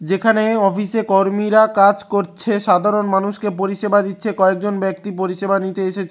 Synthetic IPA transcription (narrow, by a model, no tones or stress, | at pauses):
d͡ʑekʰaneɔfisekoɾmiɾakad͡ʑkoɾt͡ɕʰeʃad̪ʱaɾonmanuʃkepoɾiʃebad̪it̪ːɕʰekɔek̚d͡ʑonbɛk̚t̪ipoɾiʃebanit̪eeʃet͡ɕʰe